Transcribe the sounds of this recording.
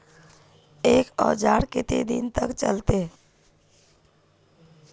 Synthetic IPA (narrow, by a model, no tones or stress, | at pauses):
eːkɔ̰ːd͡ʒaːɾkɪt̪ḛd̪ḭnt̪əkt͡ʃə̰lt̪e